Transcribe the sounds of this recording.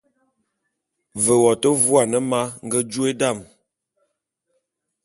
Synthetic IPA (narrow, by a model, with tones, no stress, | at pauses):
və˨wɔ˨tə˦vwa˨nə˦ma˦ŋ̩˦ɡə˦d͡ʒu˦e˦da˦˨m